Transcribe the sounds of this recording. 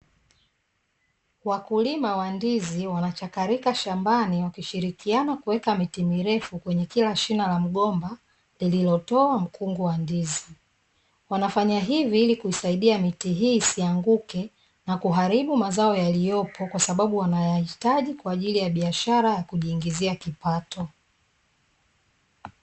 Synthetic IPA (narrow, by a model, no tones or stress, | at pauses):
wakulimawandiziwanat͡ʃakaɾikaʃambaniwakiʃiɾikianakuwɛkamitimiɾɛfukwɛɲɛkilaʃinalam̩ɠɔmba | lililɔtɔam̩kʰuŋɡuwandizi | wanafaɲaɦiviilikuisaiɗiamitiɦiːsiaŋɡukɛ | nakuɦaɾiɓumazaɔjalijɔpʰɔkwasaɓaɓuwanajahitaʄikwaːʄilijaɓiaʃaɾajakuʄiːŋɡiziakipatʰɔ